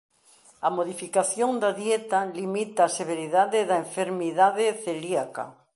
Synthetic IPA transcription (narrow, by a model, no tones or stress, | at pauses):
ɐmoðifikaθjoŋd̪aðjet̪alimit̪aːseβeɾiðaðeðaeɱfeɾmiðaðeθeliaka̰